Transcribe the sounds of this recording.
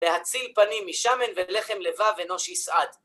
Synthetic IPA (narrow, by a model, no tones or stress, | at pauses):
lehat͡silpanimːiʃame̞nvele̞χemlevaveno̞ʃjisʔad̪